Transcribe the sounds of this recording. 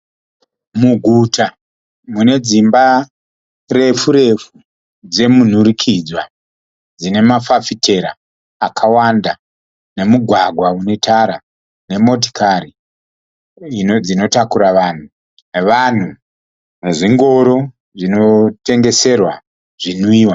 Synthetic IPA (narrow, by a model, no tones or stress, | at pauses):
muɡʱuta | mune̞d͡zimba | re̞fuɾe̞fu | d͡ze̞mun̤uɾikʰid͡zwa | d͡zine̞mafafitʰe̞ɾaː | kʰawanda | ne̞muɡʱwaɡʱwaune̞tʰaɾa | ne̞mo̞t̬i̥kaɾi | inod͡zino̞takuɾaʋan̤u | neʋan̤u | neʐiŋɡo̞ɾo̞ | ʐino̞te̞ŋɡe̞se̞rwa | ʐinuiːwa